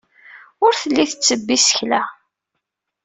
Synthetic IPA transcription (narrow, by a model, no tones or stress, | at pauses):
ʊɾθəlːiθət͡sːəbːisə̥çlæ